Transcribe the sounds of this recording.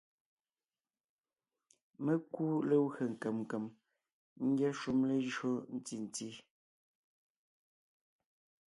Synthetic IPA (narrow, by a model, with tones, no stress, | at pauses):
mə˦ku˦le˦wɰə˨ŋ̩˨kə˨mŋ˨kə˨m | ŋ̩˦ɡjɛ˦ʃu˦mle˦ʒɰo˦n̩˦ti˨n̩˨ti˦